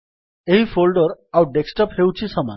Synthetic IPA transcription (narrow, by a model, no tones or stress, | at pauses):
eɦifolɖɔɾawɖeksʈɔphewt͡ɕʰisɔma̰n